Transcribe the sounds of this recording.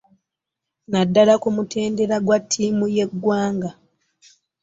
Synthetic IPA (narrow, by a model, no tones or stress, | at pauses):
nadːalakumutʰe̞ːnde̞ɾaɡwatʰːiːmuje̞ɡwaːŋɡa